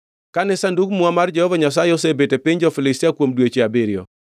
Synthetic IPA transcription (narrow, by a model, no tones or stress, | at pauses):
kanɛsandukmuamard͡ʒɛhɔvaɲas̬ajɛosebetepɪɲd͡ʒɔfɪlɪstiakwomdwet͡ʃeabeɾɪjɔ̰